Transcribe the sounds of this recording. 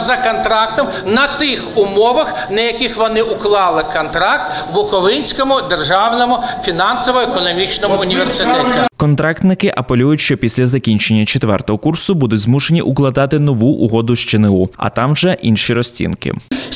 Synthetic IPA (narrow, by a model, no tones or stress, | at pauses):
zɐkɔnt̪ɾɑk̚t̪ɔm | nɐt̪ɪxʊmɔʋɐx | nɐjɐkʲɪxʋɔnɪʊklˠɑlˠɪkɔnt̪ɾɑk̚t̪ | bʊkɔʋɪnʲsʲkɔmʊd̪erʒɑwnɔmʊfʲinɑnsɔʋɔekɔnɔmʲit͡ʃnɔmʊʊnʲiʋersɪt̪ɛtʲikɔnt̪ɾɑkt̪nɪkɪʔɐpelʲujʊtʲʃt͡ʃɔpʲisʲlʲɐzɐkʲinʲt͡ʃe̞nʲːɐt͡ʃet̪ʋɛ̰rt̪ɔɦɔkursʊbud̪ʊdʲzmuʃenʲiʔʊklˠɐd̪ɑt̪ɪnɔʋuʔːɦɔd̪ʊʃt͡ʃeneuɐ̰t̪ɑmʒɛʔinʃiɾɔsʲt͡sʲḭnkɪ̰